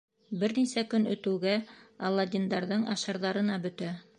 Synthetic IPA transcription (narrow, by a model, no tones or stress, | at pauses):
bɘɾnisækɵnɵ̆t̪ɘ̆wɡæɑlˠːɑd̪ʲind̪ɑɾðɤɴɑʃɑɾðɑɾɤ̆nɑbɵ̆t̪æ